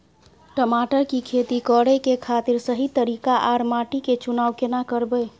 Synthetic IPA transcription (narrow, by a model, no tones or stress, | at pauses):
ʈəmaʈəɾkikʰet̪ikɔɽəkekʰat̪iɾsəɦit̪əɾikaʔaɾmaʈiket͡ʃunaːwkenakəɾbə